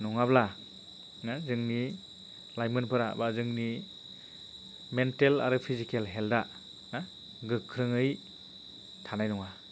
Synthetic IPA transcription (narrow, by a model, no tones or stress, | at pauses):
nɔŋabla | nazɯŋni | lajmɯnpʰɯɾa̰bazɯŋni | mentela̰ɾɯpʰizikelɦelda | na | ɡɯkʰːɾɯŋɯj | tʰanajnɔŋa